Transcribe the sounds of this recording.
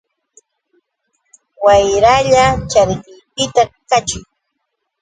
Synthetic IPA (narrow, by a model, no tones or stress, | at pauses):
wajɾaʎat͡ʃaɾɢɪjpɪt̪akat͡ʃʊŋ